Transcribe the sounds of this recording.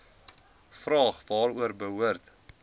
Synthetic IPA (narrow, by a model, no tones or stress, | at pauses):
frɑːχvɑːɾuərbəɦuərt